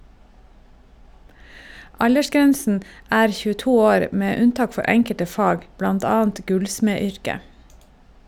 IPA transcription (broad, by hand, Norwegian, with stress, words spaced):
ˈɑʎəˌʃɡɛnsn̩ ˈæːɾ çʉːəˈtuː ˈoːɾ ˈmeː ˈʉnˌtɑːk ˈfɔɾ ˈɛŋkətə ˈfɑːɡ ˈblɑnt ˈɑːnt ˈɡʉlsmeːˌʏɾkə